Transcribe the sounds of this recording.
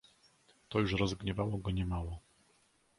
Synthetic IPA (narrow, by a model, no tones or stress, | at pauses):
t̪ɔjuʂɾɔzɡɲɛvawɔɡɔɲɛmawɔ